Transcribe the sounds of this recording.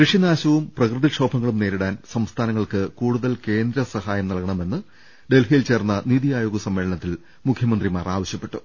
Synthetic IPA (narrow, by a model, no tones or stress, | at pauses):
kɨʂinaːɕɐʋumprɐkrɨðikʂo̞ːbʱɐŋːɐɭumne̞ːɾiɽaːnsɐmst̪ʰaːnɐŋːɐɭkɨkuːɽuðɐlke̞ːnd̪ɾɐsɐhaːjɐmnɐɭɣɐɳɐme̞nːɨ | ɖe̞lɦilt͡ɕeːrnːɐniːðijaːjoːɡɐsɐmːe̞ːɭɐɳɐt̪ːil | mukʰjɐmɐnd̪rimaːraːʋɐɕjɐpːe̞ʈːu